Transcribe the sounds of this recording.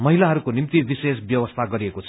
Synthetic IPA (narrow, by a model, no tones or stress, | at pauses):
mʌɦilaɦʌɾukonimt̪ibisesbjʌwʌst̪ʰaɡʌɾiekot͡sʰʌ